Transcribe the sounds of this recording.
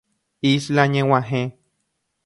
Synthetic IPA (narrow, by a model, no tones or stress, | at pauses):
islaɲẽwãɦẽ